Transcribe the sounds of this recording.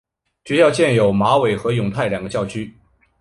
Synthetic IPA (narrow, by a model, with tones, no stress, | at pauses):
t͡ɕɛ˧˥jɑ˥˧ʊt͡ɕjɛ˥˩njo˨˩ʊma˧˥we˨˩ɪxɤ˧˥jʊ˨˩ŋt̪ʰa˥˩ɪljɑ˨˩ŋɡə˦t͡ɕjɑ˥˩ʊt͡ɕʰy˥